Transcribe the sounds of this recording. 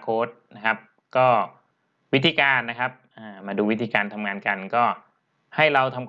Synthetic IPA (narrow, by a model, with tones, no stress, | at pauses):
kʰoː˦˥t̪̚na˦˥kʰa˦˥p̚ | kɔː˥˩ | wi˦˥t̪ʰiː˧kaː˧nːa˦˥kʰa˦˥p̚ʔaː˧˩maː˧duː˧wi˦t̪ʰiː˧kaː˧nt̪ʰa˧mŋaː˧nka˧nkɔː˥˩ | ha˥˩jɾa˧wt̪ʰa˧m